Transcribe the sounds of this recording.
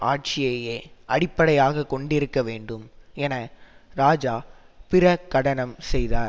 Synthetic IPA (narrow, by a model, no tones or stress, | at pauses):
aːʈ̚t͡ʃɪjɐjeːʔɐɽɪpːɐɽɐjaːɣɐkːɔɳɖɪɾɯkːɐʋeːɳɖɯmɛnɐɾaːd͡ʒaː | pɪrɐkːɐɽɐnɐmsɛjðaːɾ